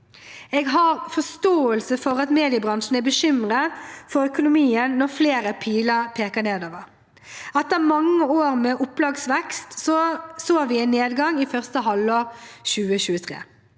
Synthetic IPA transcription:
ɛɡɦɑɾfɔst̪oːəlsəfɔɾɑt̪meːd̪ɪəbʁɑnʂn̩æbəʃʏmʁəfɔɾœkʊnʊmiːənːɔʁfleːɾəpʰiːləʁpʰeːkəneːd̪oːʋəʁ | ɑt̪ːəmɑŋːəoːɾmɛʔʊpːlɑːɡsʋɛkst̪sɔsoːʋɪɛɪnːeːd̪ɡɑŋɪfœʁst̪əɦɑloːɾʃʉːəɕʉːət̪ʰʁḛː

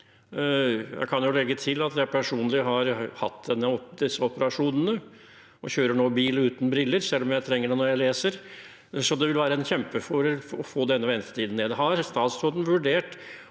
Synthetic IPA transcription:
jæ̰ɪkʰɑnjʊlɛɡːət̪ʰɪlɑt̪jæɪpʰæʂuːnlɪɦɑɾhɑ̰t̪ːd̪ɛnːəɔd̪ɪsːəɔpəɾɑʂuːnənə | ɔçøːɾəɳoːbiːlʉːt̪n̩bɾɪlːəɾsɛlːɔmjæɪt̪ʰɾɛŋːəɖɛnɔɾjæɪleːsəɾ | sɔd̪ɛʋɪlʋæːɾəɛnçɛmpəfɔɾəɔfoːd̪ɛnːəʋɛnt̪ə̥t̪ʰiːd̪n̩eːd̪ɦɑɾst̪ɑːt̪sɔd̪n̩ʋʉɖeːʈ

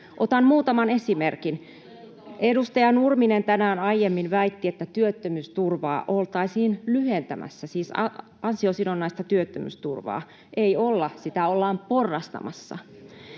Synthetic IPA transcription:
ʔot̪ɑnmuːt̪ɑmɑne̞simerkin | ʔedust̪ɑjɑnurminent̪ænæːnɑijːemːinʋæit̪ːiet̪ːæt̪yøt̪ːømyst̪urʋɑ̰ːʔolt̪ɑisiːnlyhent̪æmʔæ̰sːæsiːsɑ | ɑnsiosinonːɑist̪ɑt̪yøt̪ːømy̰st̪urʋɑ̰ː | ʔeiolːɑsit̪æolːɑːmporːɑst̪ɑ̰mɑsːɑ̰

